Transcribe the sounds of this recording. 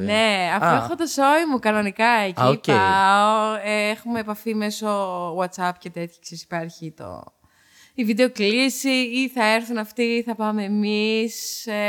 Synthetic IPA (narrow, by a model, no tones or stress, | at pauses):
neɐfoexot̪oso̞imukɐno̞nikɐecipeɐoeexumeːpɐfime̞sowɐt̪sɐpcet̪e̞t̪çɐ̥ksesi̥pɐɾçit̪o̞̰ | ivid̪eo̞klisiiθɐeɾθunɐft̪iːθɐpɐmeːmis